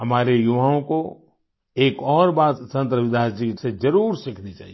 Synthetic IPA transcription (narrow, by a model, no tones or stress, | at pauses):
ɦɐmaːɾejʊʋaːõko | eːkɔːɾbaːt̪sɐ̃nt̪ɾəʋɪd̪aːd͡ʒised͡ʒɐɾuːɾsɪkʰnit͡ʃa̰ːɦie